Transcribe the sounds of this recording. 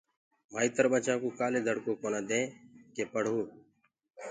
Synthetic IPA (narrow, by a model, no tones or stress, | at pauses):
maːiːt̪əɾbət͡ʃãːkuːkaːleːd̪ʱəɽkoːkoːnãːd̪ẽːkeːpəɽ̤uː